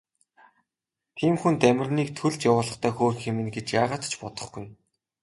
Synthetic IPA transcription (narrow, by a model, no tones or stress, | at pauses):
t̪ʰiːmxunt̪æmʲɪ̆rniːkt̪ʰɵɮt͡ɕjawʊːɮə̆χt̪ʰæːxoːrxemɘ̆nɡet͡ɕjaːʁaːt̪t͡ɕpɔt̪ɞ̆χɡuj